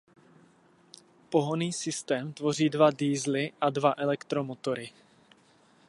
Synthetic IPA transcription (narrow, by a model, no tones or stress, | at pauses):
poɦoniːsɪst̪ɛːmt̪vo̞r̝iːdvadiːzlɪʔadvaʔɛlɛkt̪ɾomot̪o̞ɾɪ